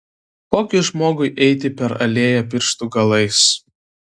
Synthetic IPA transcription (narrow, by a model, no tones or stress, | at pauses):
koːkʲʊʒmoːɡʊɪʔɛɪt̪ʲɪpʲɛɾɐ̰lʲeːjɛp̬ʲɪɾʲʃt̪uɡɐlˠɐɪs